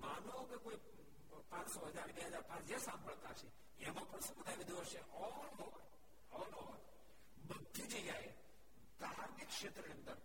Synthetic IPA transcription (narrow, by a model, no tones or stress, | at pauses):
manukekoi | pãt͡ʃsɔɦəd͡ʒaɾbeɦəd͡ʒaɾpãt͡ʃd͡ʒesãmbʱəɭt̪at͡ʃʰe | ɛmãpəɳsũbəd̪ʱaʋid̪uəʃeʔɔlɦo | ɔlo | bəd̪ʱid͡ʒejaj | kaɦaɾmikʃet̪ɾənĩə̃nd̪əɾ